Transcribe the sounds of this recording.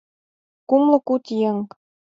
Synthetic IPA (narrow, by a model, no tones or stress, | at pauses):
kumlɤ̆kut̪jeŋ